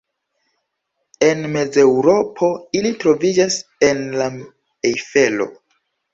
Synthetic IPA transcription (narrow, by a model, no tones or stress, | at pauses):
e̞nme̞d͡ze̞wɾo̞pʰo̞ilitɾo̞vid͡ʒase̞nla | ejfe̞lo̞̰